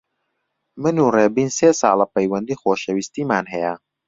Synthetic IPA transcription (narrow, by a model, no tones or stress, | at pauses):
mənuɾɛbinsesa̰ːlapɐjwɐnd̪ixoɕawist̪imaːnɦɛa